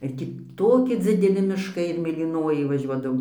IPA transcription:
ɪr ˈtʲiː ˈtoːkʲɪ d͡zʲɪdʲɛˈlʲɪ mʲɪʃˈkɐɪ ɪr mʲeːlʲiːˈnoːjɛɪ ʋɐˈʒʲuɔdɐʋoːm

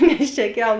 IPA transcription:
nʲɛs t͡ʃʲɛ ˈkʲɛlˠ

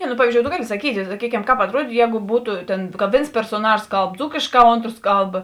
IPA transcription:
nʲɛ nʊ ˈpɑːʋʲiːzʲd͡ʒʲoːʊ toː ˈɡɑːlʲɪ sɐˈkʲiːtʲɪ sɐˈkʲiːkʲɛm ˈkɑːp ɐtˈruɔdʲiːtʊ ˈjɛːɡʊ ˈbuːtʊ ˈtʲeːn kɐ ˈʋʲeːns pʲɛrsoːˈnɑːʒoːs ˈkɐlˠp ˈd͡zuːkʲeːʃˌkɑː ˈoːntroːs ˈkɐlˠp

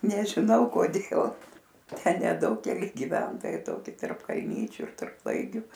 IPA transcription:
nʲɛʒʲɪˈnɐʊ koːˈdʲeːlˠ ˈtʲɛn nʲɛˈdɐʊk kʲɛˈlʲɪ ɡʲɪˈʋʲɛntoːjɛɪ ˈtoːkʲɪ tɐrp kɐlʲˈnʲiːt͡ʃʲʊ ɪr tɐrp ˈlˠɐɪɡʲʊ

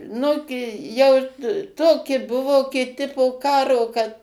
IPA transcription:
ˈnʊɡʲɪ jɛʊ ˈtoːkʲɪ ˈbʊʋoː kʲɪˈtʲɪ poː ˈkɑːroː kɐt

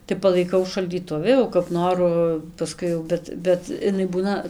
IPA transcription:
tɐɪ pɐlˠɐɪˈkɐʊ ʃɐlʲdʲiːˈtʊʋʲɪ oː kɐp ˈnoːrʊ pɐˈskʊɪ jɛʊ ˈbʲɛt ˈbʲɛt ɪˈnɐɪ ˈbuːnɐ

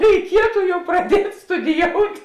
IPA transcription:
rʲɛɪˈkʲiɛtʊ ˈjɛʊ prɐˈdʲiɛtʲ stʊdʲɪˈjoːʊtʲ

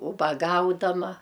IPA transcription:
ʊbɐˈɡɐʊdɐmɐ

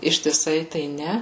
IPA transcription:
ɪʃʲtʲɪˈsɐɪ tɐɪ ˈnʲɛ

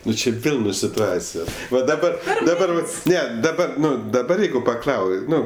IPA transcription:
ˈnʊ t͡ʃʲɪ ˈʋʲeːlˠ nʊ sʲɪtʊˈɑːt͡sʲɪjoːs ʋɐ dɐˈbɐ dɐˈbɐr ˈnʲɛ dɐˈbɐ ˈnʊ dɐˈbɐr ˈjɛɪɡʊ pɐˈklˠɐʊ ˈnʊ

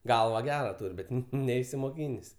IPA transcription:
ˈɡɐlˠʋɐ ˈɡʲæːrɐ ˈtuːrʲ ˈbʲɛt ˈnʲɛɪsʲɪmoːˌkʲiːnʲeːsʲ

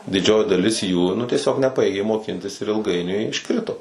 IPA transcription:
dʲɪˈd͡ʒʲoːjɪ dɐˈlʲɪs juː nʊ tʲiɛˈsʲoːk nʲɛˈpɑːjeːɡʲeː moːˈkʲɪnʲtʲɪs ɪr ɪlˠˈɡɐɪnʲʊɪ ɪʃˈkrʲɪtoː

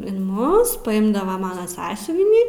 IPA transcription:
ɪn ˈmʊs pɐˈɪmdɐʋɐ ˈmɑːnɐ ˈsɑːsʲʊʋʲɪnʲiː

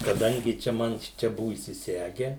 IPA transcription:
kɐˈdɐŋʲɡʲɪ ˈt͡ʃʲɛ ˈmɐn ˈʃʲɪt͡ʃʲɛ ˈbʊʋʊ iːsʲɪˈsʲæːɡʲɛ

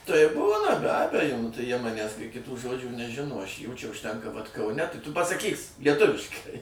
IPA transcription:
tɐɪ ˈbuːnɐ bʲɛ ˈɑːbʲɛjoː nʊ tɐɪ jiɛ ˈmɑːnʲæːs kɐɪ kʲɪˈtuː ˈʒoːd͡ʒʲuː nʲɛˈʒʲɪnoː ɐʃ juː ˈt͡ʃʲɛ ʊʃʲˈtʲɛŋkɐ ʋɐt kɐˈʊnʲɛ tɐɪ tʊ pɐsɐˈkʲiːs lʲiɛˈtʊʋʲɪʃkɐɪ

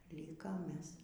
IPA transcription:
ˈlʲiːkoːm ˈmʲɛs

